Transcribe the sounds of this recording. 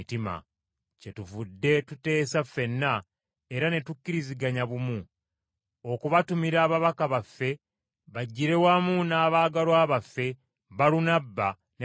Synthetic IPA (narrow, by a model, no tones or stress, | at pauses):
tima̰ | ce̞tuvudːe̞tute̞ːsafːe̞nːa | eɾane̞tukːiɾiziɡaɲaβumu | o̞kuβatumiɾaːβaβakaβafːe̞ | βaɟːiɾe̞wamunaːβaːɡaɾwaːβafːe̞ | βaɾunabːa | ne